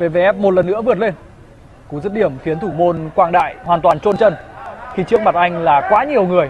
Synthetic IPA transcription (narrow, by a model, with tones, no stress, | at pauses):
ve˨˩ve˨˩ʔɛ˦˥p̚mo˨˩t̚lə˨˩nːɨ̰˧˥əvɨ˨˩ət̚le˧n | ku˨˧˦zə˦˥t̚ɗi˧˩əmfi˨˦ənt̪ʰu˧˩mo˧nkwaː˧ŋɗa̰ː˧˨jhwaː˨˩nt̪waː˨˩nt͡ɕo˧nt͡ɕə˧nxi˧˩t͡ɕɨ˦˥ək̚ma˨˩t̚ʔa˧jŋ̟laː˨˩kwaː˨˦ɲi˨˩əwŋɨ˨˩əj